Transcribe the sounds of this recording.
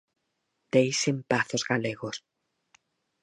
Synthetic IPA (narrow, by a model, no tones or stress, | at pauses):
d̪̥ejsempaθozɣaleɣos